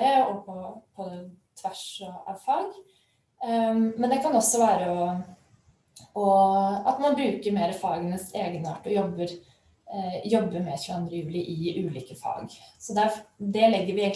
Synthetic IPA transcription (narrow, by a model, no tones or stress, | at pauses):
əɔpʰɔpʰɔt̪ʰʋæʂɔɑ̰ʋfɑːɡ | mɛnd̪ɛkʰɑnɔsːɔʋæːɾəɔ | ɔɑ̰t̪mɑnbɾʉːkəɾmeːɾəfɑːɡənəseːɡənəɑ̰ːʈɔjɔbːəɾ | jɔbːəɾmɛɕʉəɑnd̪ɾəjʉːlɪʔɪʉːliːkəfɑ̰ːɡsɔd̪æɾd̪ɛlɛɡːəɾʋɪeːɡ